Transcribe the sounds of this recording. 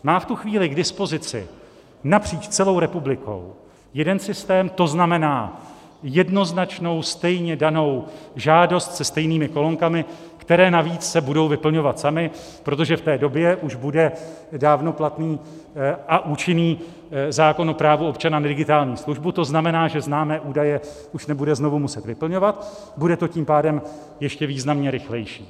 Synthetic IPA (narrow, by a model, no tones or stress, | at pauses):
maːft̪uxviːlɪɡdɪspo̞zɪt͡sɪ̰ | napr̝̥iːt͡ʃt͡sɛlo̞wɾɛpublɪko̞̰w | jɛdɛnsɪst̪ɛːmt̪o̞znamɛnaː | jɛdno̞znat͡ʃno̞wst̪ɛjɲɛdano̞wʒaːdo̞st̪sɛst̪ɛjniːmɪko̞lo̞ŋkamɪ | kt̪ɛɾɛːnaviːt͡ssɛbudo̞wvɪpl̩ɲo̞vat̪samɪ | pɾo̞t̪o̞ʒɛft̪ɛːdo̞bjɛʔuʒbudɛ | daːvno̞plat̪niːʔaʔuːt͡ʃɪniː | zaːko̞nʔopɾaːvuo̞pt͡ʃananɛdɪɡɪt̪aːlɲiːsluʒbut̪o̞znamɛnaːʒɛznaːmɛːʔuːdajɛʔuʃnɛbudɛzno̞vumusɛt̪vɪpl̩ɲo̞vat̪ | budɛt̪o̞ciːmpaːdɛm | jɛʃcɛviːznamɲɛɾɪxlɛjʃiː